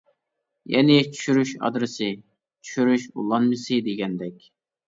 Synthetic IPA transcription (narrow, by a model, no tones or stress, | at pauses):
jɛnɪt͡ʃʰy̥ʃyɾyʃɑ̰d̪ɾɨsɨ | t͡ʃʰy̥ʃyɾyʃṵlˠːɑnmɨsɨd̪eɡʲɛnd̪ɛkʲ